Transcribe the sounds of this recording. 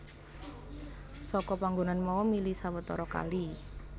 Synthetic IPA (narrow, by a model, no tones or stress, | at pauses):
sɔkɔpaŋɡonanmɔwɔmilisawət̪ɔɾɔka̰li